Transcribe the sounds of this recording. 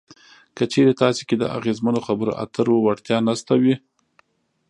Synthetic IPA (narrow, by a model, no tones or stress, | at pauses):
kət͡ʃeɾet̪ɑseked̪ə̰a̰ɣezmanoxabəɾo̰ʔa̰t̪əɾwəwaɽt̪jɑnast̪awi